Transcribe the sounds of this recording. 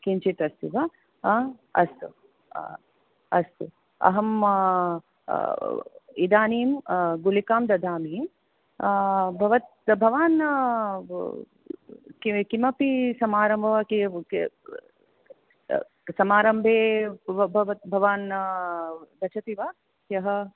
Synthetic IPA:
kint͡ʃit̪ɐst̪iʋɐ | ɐ̰st̪ṵ | ɐ̰st̪u | ɐ̰ɦɐm | id̪aːniːmɡulikaːmd̪ɐd̪ʱaːmi | bʱɐʋɐt̪̚bʱɐʋaːn | kikimɐpisɐmaːɾɐmbʱɐʋɐki | sɐmaːɾɐmbʱeːbʱɐʋɐt̪̚bʱɐʋaːn | d̪ɐt͡ʃʰɐt̪iʋa | kjɐɦɐ

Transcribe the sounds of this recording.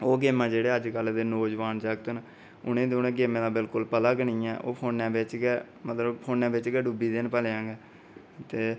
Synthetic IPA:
oːɡeːmãːd͡ʒeːɽeːəd͡ʒkəld̪eːnoːd͡ʒʋaːnd͡ʒaːɡt̪ən | ʊnẽːd̪oːnẽːɡeːmẽːd̪aːbɪlkʊlpəlaːɡəniːɛːʔo̰ːpʰoːnːɛ̃ːbeːt͡ʃɡɛː | mət̪ləbpʰoːnːɛ̃ːbeːt͡ʃɡɛːɖuːbiːd̪eːnpəleːãŋɡɛː | t̪eː

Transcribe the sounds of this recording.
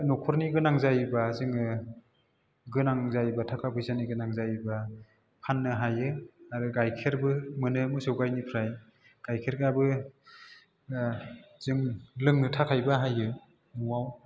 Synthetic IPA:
nɔkʰɔɾniɡɯnaŋzajbazɯŋɯ | ɡɯnaŋzajbatʰakʰabʰɯjsaniɡɯnaŋzajba | pʰanːɯɦajɯaɾɯɡajkʰeɾbɯmɯnɯmɯsɯwɡajnipʰɾaj | ɡ̥ajkʰeɾɡabɯ | z̥ɯŋlɯŋnɯtʰakʰajbaɦajɯ | nuwaw

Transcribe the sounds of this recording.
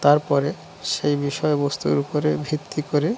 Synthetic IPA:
t̪aɾpɔɾe | ʃejbiʃɔebost̪ṵɾupoɾebʱit̪ʰːikoɾe

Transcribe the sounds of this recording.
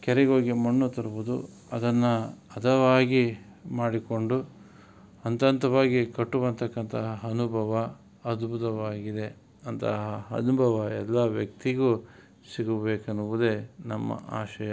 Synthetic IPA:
kɛɾeɡoːɡimɐɳːut̪ɐɾubud̪u | ɐd̪ɐnːɐɐd̪ʰɐʋaːɡi | maːɽiko̞ɳɖu | ɐnt̪ɐnt̪ɐʋaːɡikɐʈːuʋɐnt̪ɐkːɐnt̪ɐɦɐɦɐnubʱɐʋɐ | ɐd̪but̪ɐʋaːɡid̪e̞ | ɐnt̪ɐ̰ɦɐɦɐ̰nubʱɐʋɐɛlːɐʋjɐkt̪iɡu | siɡubeːkɐnuʋud̪e̞nɐmːɐ̰a̰ːʃɐjɐ

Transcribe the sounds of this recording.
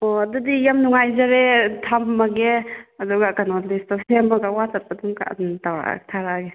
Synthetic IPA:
ɔadudijamnuŋajzaɾetʰamːaɡeaduɡakanɔlistɔsemaɡawatat̚padumka̰ntawɾa̰tʰaɾaɡe

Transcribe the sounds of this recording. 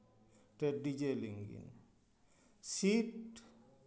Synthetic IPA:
tɛdid͡ʒeliŋɡḭn | sit

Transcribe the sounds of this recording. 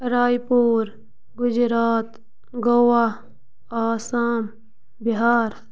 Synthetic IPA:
ɾaːjpuːɾ | ɡʊd͡ʒɾaːt̪ | ɡowa | aːsaːm | biɦaːɾ

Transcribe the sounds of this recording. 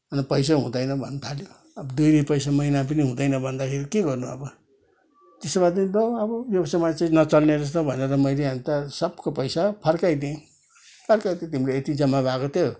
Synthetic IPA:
ʌnipʌjs̬aɦũd̪ʌjnʌbʱʌ̰nːt̪ʰaljo | ʌbʌd̪ujdipʌjsamʌinap̬ʌniɦũd̪ʌjnʌbʱʌnd̪akʰeɾikeɡʌrnuʌ̰bʌ | t̪esobad̪ʌd̪oʌbʌbjʌbʌsamat͡sãnʌt͡sʌlneɾʌs̬t̪ʌbʱʌneɾʌmʌjleant̪ʌsʌb̚kopʌjsapʰʌɾkajd̪ẽ | pʰʌrkajd̪ẽt̪imleet̪id͡zʌmːabaɡʌt̪jo

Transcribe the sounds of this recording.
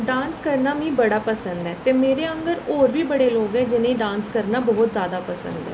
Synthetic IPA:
ɖãːnskəɾnaːmĩːbəɽaːpəsə̃nd̪ɛːt̪eːmeːɾeːə̃ŋɡəɾoːɾʋiːbəɽeːloːɡɛːd͡ʒɪnẽiɖãːnskəɾnaːbɔɦʊt̪zjaːd̪aːpəsə̰̃nd̪ɛ̰ː

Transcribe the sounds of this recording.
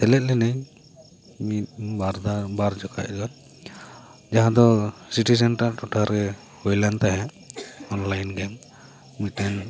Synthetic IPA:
t̪ɛlɛt̪̚lɛnɛɲ | mit̪̚baɾd̪abaɾd͡ʒɔka̰ʔɾɡan | d͡ʒaɦãd̪ɔsiʈisɛnʈaʔʈɔʈʰaɾɛ | hujlant̪aɦɛ | ɔnlajnɡɛm | mitɛn

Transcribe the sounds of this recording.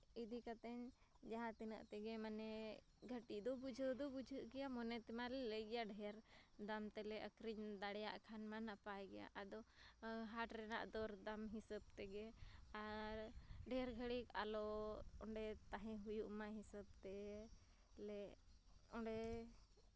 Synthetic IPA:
id̪ikat̪ɛɲ | d͡ʒaɦãt̪ɛnə̰ʔt̪ɛɡɛmanɛ | ɡʱəʈid̪ɔbud͡ʒʱəd̪ɔbud͡ʒʱəʔɡɛjamɔnɛt̪ɛmalɛləjɡɛjaɖʱɛaɾd̪amt̪ɛlɛʔəkɾiɲd̪aɽɛja̰ʔkʰanmanapajɡɛja̰ʔad̪ɔɦaʈɾɛna̰ʔd̪ɔɾd̪amɦisəb̚t̪ɛɡɛaɾɖʱɛɾɡʱəɽikalɔɔɳɖɛt̪aɦɛ̃ɦujuʔmaɦisəb̚t̪ɛ | lɛ | ɔɖɛ

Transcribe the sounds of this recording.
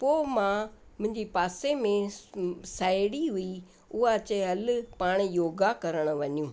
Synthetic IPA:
poːmãmʊ̃ɦɪ̃ɲd͡ʑipaːsemẽ | saːɪɽiɦʊi | ʊɦat͡ɕeɦɐlʊ̆paːɽ̃joːɡakɐɾəɽ̃ʊ̆ʋɐɲjũː

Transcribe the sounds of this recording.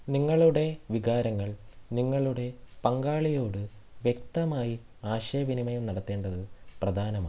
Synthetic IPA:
niŋːɐɭuɽe̞ʋiɡaːɾɐŋːɐɭniŋːɐɭuɽe̞pɐŋɡaːɭijo̞ːɽɨʋje̞k̚t̪ɐmaːji | aːɕɐjɐʋinimɐjumnɐɽɐt̪ːe̞ːɳɖɐðɨprɐd̪ʱaːnɐma̰ː

